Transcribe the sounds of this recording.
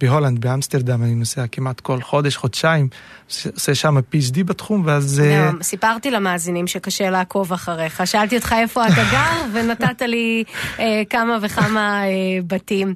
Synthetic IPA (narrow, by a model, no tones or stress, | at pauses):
b̥eɦoland̪̚beamst̪eʁd̪amaninoseakimat̪ko̞lχo̞deʃχod̪ʃaim | oseʃamapit͡ʃ̬dibat̪χumveazomsipaʁt̪ilamaːzinimʃekaʃelaːko̞vaχaʁeχaʃaaltiot̪χae̞fo̞ataɡaʁvenat̪ataliekamaveχamaebatim